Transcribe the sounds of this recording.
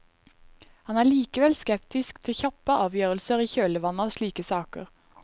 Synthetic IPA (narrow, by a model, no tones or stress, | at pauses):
hɑnæːɭiːkəʋɛlskɛp̚t̪ɪskt̪ʰɪçɑpəʔɑːʋjøːʁəlsəʁiːçøːləʋɑnəoːʃliːkəsɑːkə̰ʁ